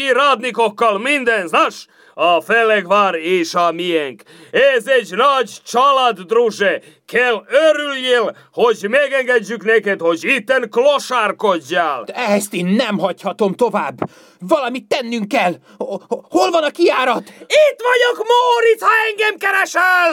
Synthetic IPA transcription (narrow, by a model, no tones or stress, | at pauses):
iɾɒd̪nikokːɒlmind̪ɛnznɒʃ | ɒfɛlɛɡʋaːɾeːʃɒmijɛŋk | ɛzɛɟnɒɟt͡ʃɒlad̪ːruʒɛ | kʰɛløɾylːeːl | ho̞ɟmɛɡɛŋɡɛɟːykneːkɛt̪ho̞ɟit̪ːɛŋkloʃaːrkoɟːaːlɛɦɛst̪eːnːɛmɦɒchɒt̪o̞mt̪ovaːbː | vɒlɒmit̪ːɛnːyŋkːɛl | ho̞lvɒnɒkiaːɾɒt̪it̪ʋɒɟokmoːɾithɒɛŋɡɛmkɛɾɛʃɛl